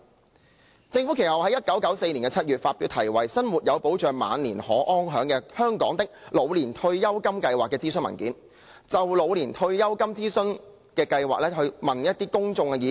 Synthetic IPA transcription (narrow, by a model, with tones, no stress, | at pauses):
t͡sɪ˧ŋfu˨˥kʰe˨˩hɐ˨whɐ˨˥jɐ˥t̚kɐ˨˥wkɐ˨˥wse˧jniː˨˩nkɛ˧t͡sʰɐ˥t̚ɥyː˨t̚faː˧t̚pi˨˧wt̪ʰɐ˨˩jwɐ˨˩jsɐ˥nwuː˨t̚jɐ˨˧wpo˨˥wt͡ʃœː˨ŋma̰ː˨˧nliː˨˩nhɔ̰ː˨˥ʔɔː˥ŋɦœː˨˥ŋkɛː˧hœː˥ŋkɔ̰ː˨˥ŋt̪ɪ˥k̚lo˨˧wliː˨˩nt̪ʰɵ˧ɥjɐ˥wkɐ˥mkɐ˧jwaː˨kːɛː˧t͡siː˥sɵ˥nmɐ̰˨˩nkiː˨˥n | t͡sɐ˨wlo˨˧wliː˨˩nt̪ʰɵ˧ɥjɐ˥wkɐ˥mt͡siː˥sɵ˥n | kɛː˧kɐ˧jwaː˨k̚lɛː˥ɦɵ˧ɥmɐ˨njɐ˥t̚t̪iː˥kʊ˥ŋt͡sʊ˧ŋɛ˧jiː˨˧